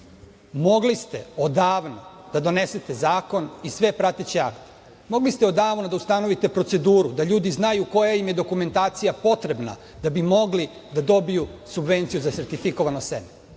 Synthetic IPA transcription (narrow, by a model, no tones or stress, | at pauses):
mo̞ɡlist̪e̞̰od̪aːʋno | d̪̥ad̪o̞ne̞set̪e̞zaːko̞nisʋe̞pɾat̪et͡ɕiakt̪ | mo̞ɡlist̪eo̞d̪aːʋno̞d̪aust̪ano̞ʋit̪e̞pɾo̞t̪se̞d̪uːɾud̪aʎuːd̪iznajuko̞jaimje̞d̪o̞kume̞nt̪aːt̪sijapo̞t̪ɾe̞bna̰ | d̪abimo̞ɡli | d̪ad̪o̞bijusubʋe̞nt̪sijuzase̞ɾt̪ifiko̞ʋanoseme